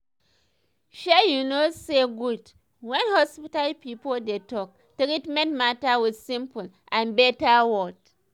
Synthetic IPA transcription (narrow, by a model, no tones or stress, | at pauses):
ʃɛjunoseɡud | wɛ̃nhɔspitalpipoldetɔk̚ | tekitmɛ̃ntmatawidsĩmpul | ʔãnbɛtawɔt